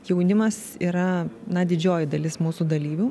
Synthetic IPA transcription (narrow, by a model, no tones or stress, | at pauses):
jɛʊnʲɪmɐsiːɾɐnɐd̪ʲɪd͡ʒʲoːjɪd̪ɐlʲɪsmuːsuːd̪ɐlʲiːʋʲu